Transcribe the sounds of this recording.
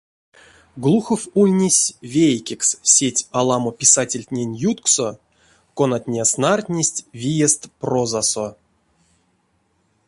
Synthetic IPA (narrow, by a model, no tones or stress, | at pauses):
ɡlˠuxofulʲnʲisʲvʲejkʲekssʲetʲalˠamopʲisatʲelʲtʲnʲenʲjut̪kso | konat̪ʲnʲasnart̪ʲnʲesʲtʲvʲijest̪prozaso